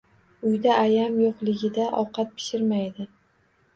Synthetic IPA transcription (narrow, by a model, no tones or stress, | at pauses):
ʊjd̪aʔːjamjoqlˠɪɡʲɪd̪aʔɒ̰qɑt̪̚pʰɪ̥ʃɪɾmajd̪ɪ